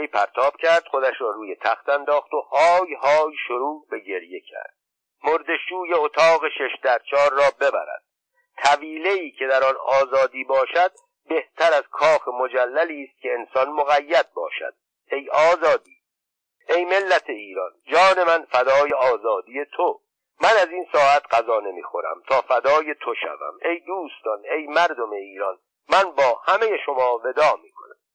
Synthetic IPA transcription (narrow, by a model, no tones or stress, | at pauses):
jpʰæ̰ɾt̪ʰɒːb̥cʲʰæɾd̪̥xo̞d̪æʃɾɒːɾuːje̞t̪ʰæxt̪ænd̪ɒːxt̪o̞hɒːjhɒːjʃoɾuːbe̞ɟe̞ɾje̞kʰæ̰ɾd̪̥̚ | moɾd̪e̞ʃuːjeot̪ʰɒːɣeʃe̞ʃd̪æɾt͡ʃʰɒːɾːɒːbe̞bæ̰ɾæ̰d̪̥̚ | t̪ʰæviːle̞iːcʰe̞d̪æɾɒnɒːzɒːd̪iːbɒːʃæd̪̥̚ | be̞ht̪ʰæɾæz̥kʰɒːxemo̞d͡ʒælːæliːst̪̚cʰʲe̞ːnsɒnmoɣæjːæd̪̚bɒ̰ːʃæ̰d̪̥ | e̞jɒːzɒːd̪iː | e̞jme̞lːæt̪ʰeiːɾɒnd͡ʒɒːne̞mænfæd̪ɒːjeɒːzɒːd̪ije̞t̪ʰo | mænæziːnsɒːæt̪ʰɢæzɒːne̞mḭːxo̞ɾæ̰mt̪ʰɒːfæd̪ɒːje̞t̪ʰo̞ʃæ̰væ̰me̞jd̪uːst̪ɒne̞jmæɾd̪o̞me̞iːɾɒn | mænbɒːhæme̞je̞ʃo̞mɒːve̞d̪ɒːmiːkʰonæm